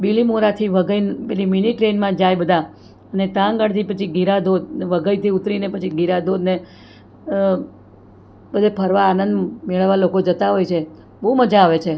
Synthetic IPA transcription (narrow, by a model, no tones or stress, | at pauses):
bilimuɾat̪ʰiʋəɡəjnpeliminiʈɾenmãd͡ʒajbəd̪ʱa | ənet̪ãŋɡəɽt̪ʰipət͡ʃʰiɡiɾad̪od̪ʋəɡəjt̪ʰiut̪ɾinepət͡ʃʰiɡʱiɾad̪od̪ne | bəd̪ʱepʰəɾʋaːnənd̪meɭəʋːalokod͡ʒət̪aɦojt͡ʃʰe | bəɦuməd͡ʒaaʋet͡ʃʰe